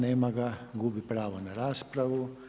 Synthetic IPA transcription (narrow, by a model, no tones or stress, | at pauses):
nejmɐɡaɡubipɾaːʋɐnɐɾaːspɾɐʋu